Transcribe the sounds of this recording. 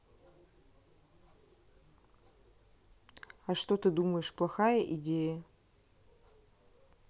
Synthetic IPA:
ɐʂt̪ot̪ɨd̪uməjɪʂplˠɐxajəʔɪdʲejə

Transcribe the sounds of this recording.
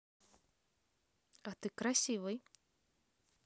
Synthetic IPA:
ɐt̪ɨkɾɐsʲivɨj

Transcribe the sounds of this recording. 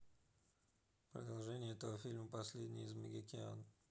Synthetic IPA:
pɾəd̪ɐlˠʐɛnʲɪjəɛt̪əvəfʲilʲməpɐsʲlʲedʲnʲɪ̰jɪzmʲɪ̰ɡʲɪkʲɪa̰n

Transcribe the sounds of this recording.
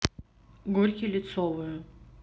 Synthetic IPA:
ɡurʲkʲilʲɪt̪sɔvɨjʊ

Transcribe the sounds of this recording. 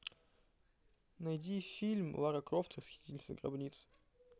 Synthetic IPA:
nɐjdʲifʲilʲmlˠaɾɐkɾoft̪əsxʲi̥t̪ʲilʲsʲɐ̰ɡrɐ̰bnʲit̪s

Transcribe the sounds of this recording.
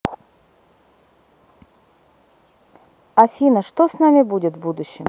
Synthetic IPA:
ɐfʲinəʂt̪osnamʲɪbudʲɪt̪vbud̪ʊɕːɪm

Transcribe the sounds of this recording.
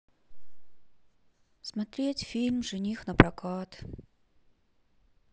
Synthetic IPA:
smɐt̪ɾʲetʲfʲilʲmʐɨnʲixnəpɾɐkat̪

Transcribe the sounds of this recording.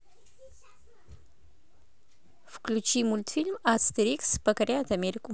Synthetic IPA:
fu̥klut͡ʃimult̪filmast̪eɾiksbəkɐɾjat̪ɐmeɾiku

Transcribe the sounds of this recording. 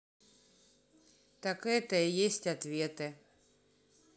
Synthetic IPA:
t̪akɛt̪əjesʲtʲat̪vʲet̪ɨ

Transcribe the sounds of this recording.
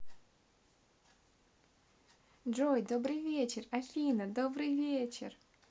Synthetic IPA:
d͡ʐojd̪obrɨjvʲet͡ʃerafʲinɐd̪obrɨjvʲet͡ʃḛr

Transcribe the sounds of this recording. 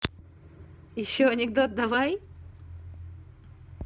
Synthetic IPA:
jɪɕːoɐnʲɪɡ̚d̪ot̪̚d̪ɐvaj

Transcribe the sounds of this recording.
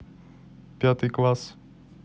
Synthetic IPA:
pjat̪iklas

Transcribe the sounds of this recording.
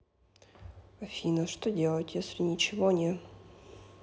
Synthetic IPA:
ɐfʲinəʂt̪odʲe̞lˠətʲjesʲlʲɪnʲɪt͡ɕɪvonʲe

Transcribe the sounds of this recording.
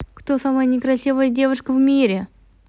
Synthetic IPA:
kt̪osaməjənʲɪkɾɐsʲivəjədʲe̞vʊʂkəvmʲiɾʲɪ

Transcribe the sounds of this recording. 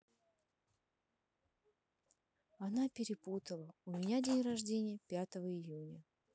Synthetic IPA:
anapʲɪɾʲɪput̪əlˠəʊmʲɪnʲadʲenʲrɐʐdʲenʲɪjəpʲat̪əvəɪjunʲə

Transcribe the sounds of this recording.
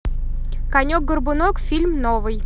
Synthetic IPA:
kɐnʲok̚ɡərbʊnokfʲilʲmnovɨj

